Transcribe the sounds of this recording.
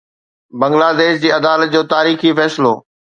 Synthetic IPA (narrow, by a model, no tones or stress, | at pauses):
bɐ̃ŋɡlaːd̪eːʃd͡ʑiːɐd̪aːlət̪̚d͡ʑoːt̪aːɾiːxifɛːsɪlo̰ː